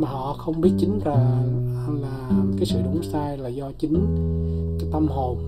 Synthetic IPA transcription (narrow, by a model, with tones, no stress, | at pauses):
maː˨˩ɦɔ̰˧˨xə˧wŋ͡mɓi˦˥ət̚t͡ɕï˨˦ŋ̟laː˨˩˧ | laː˨˩kaː˨˦jsɨ̰˧˨ɗʊ̰˧˩˦ŋ͡msaː˧jlaː˨˩zɔ˧t͡ɕï˨˦ŋ̟t͡ɕɔ˧t̪a˧mho˨˩n